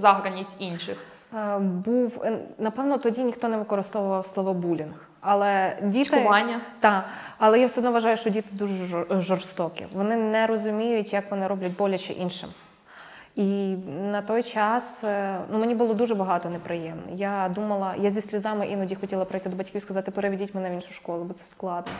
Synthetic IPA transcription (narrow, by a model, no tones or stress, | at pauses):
zɑɦɾɐnʲːisʲtʲinʃɪx | buwnɐpɛwnɔt̪ɔdʲinʲixt̪ɔnɛʋɪkɔɾɪst̪ɔʋʊʋɐwslˠɔʋɔbulʲinh | ɐlˠɛdʲit̪ɪʊʋɑnʲːɐt̪ɑɐlˠɛjawsɛd̪nɔʋɐʒɑjʊʃt͡ʃɔdʲit̪ɪd̪uʒɛʒɔrst̪ɔkʲḭʋɔnɪnɛɾɔzʊmʲijʊtʲjɐkʋɔnɪɾɔblʲɐtʲbɔlʲɐt͡ʃɪ̰ʔinʃɪ̰m | inɐt̪ɔjt͡ʃɑsnumenʲibʊlˠɔd̪uʒɛbɐɦɑt̪ɔnɛpɾɪjɛmnɔ̰jad̪umɐlˠɐjazʲisʲlʲʊzɑmɪʔinɔdʲixɔtʲilˠɐpɾɐjt̪ɪd̪ɔbɐtʲkʲiʋʲskɐzɑt̪ɪpeɾeʋʲidʲitʲmɛnɛʋinʃʊjʃkɔlˠʊbɔt̪sɛ̥sklˠɑd̪nɔ